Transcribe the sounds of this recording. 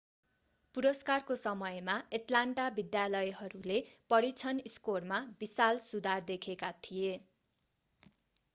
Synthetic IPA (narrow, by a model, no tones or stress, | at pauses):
puɾʌskarkosʌmʌjmaeʈlaɳʈabid̪jalʌjɦʌɾulepʌɾit͡sʰʌniskormabisalsud̪ard̪ekʰekat̪ʰije